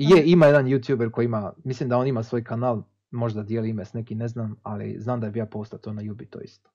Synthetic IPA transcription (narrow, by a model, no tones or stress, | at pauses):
jeimajed̪anjuːt̪juːbeɾko̞jiimamislimd̪ao̞nimasʋo̞ːjkanaːlˠ | mo̞ʒd̪ad̪jeliimesnekineznaːma̰lḭznaːmd̪abijaːpost̪at̪onajubit̪o̰ḭst̪o̥